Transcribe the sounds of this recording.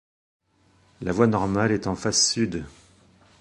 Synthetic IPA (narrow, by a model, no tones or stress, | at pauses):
lavwanɔʁmalɛt̪ɑ̃fasːyd̪